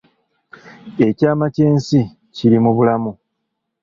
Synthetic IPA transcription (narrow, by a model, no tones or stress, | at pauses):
e̞caːmace̞ːnsi | ciɾimuβulamu